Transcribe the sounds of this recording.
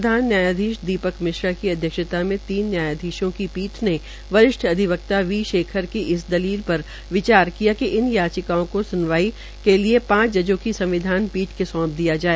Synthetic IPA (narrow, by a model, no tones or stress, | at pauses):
d̪ʱaːnːjaːjaːd̪ʱiːʃd̪iːpəkmɪʃɾakiɐd̪ʱjəkʃət̪amẽt̪iːnːjaːjaːd̪ʱiːʃõkipiːʈʰne | ʋɐɾɪʃʈʰɐd̪ʱɪʋək̚t̪aʋiːʃeːkʰəɾkiʔɪsd̪ɐliːlpɐɾ | ʋɪt͡ʃaːɾkijakiʔɪnjaːt͡ʃɪkaõkosʊnʋaːi | keliepãːt͡ʃd͡ʒɐd͡ʒõkisɐ̃mʋɪd̪ʱaːnpiːʈʰkesɔ̃ːp̚d̪ijad͡ʒaːeː